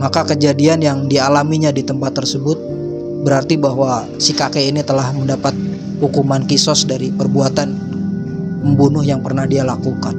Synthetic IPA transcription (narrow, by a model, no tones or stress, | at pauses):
makakəd͡ʒadianjaŋdialamiɲadit̪əmpat̪ːərsəbʊt̪̚ | bəɾart̪ibaɦwa | sikakeinit̪əlahməndapat̪̚ | hukumankisɔsdaɾipərbuat̪an | məmbunʊhjaŋpərnahdialakukan